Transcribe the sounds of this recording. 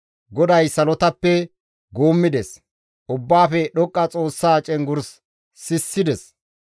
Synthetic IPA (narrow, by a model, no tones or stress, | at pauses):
ɡɔd̪ɐjsɐlɔt̪ɐpːɛ | ɡoːmːɪd̪ɛs | ʔʊbːaːfɛɗɔkʼːɐt͡sʼo̞ːsːaːt͡ʃʼɛŋɡʊɾs | sɪsːɪd̪ɛs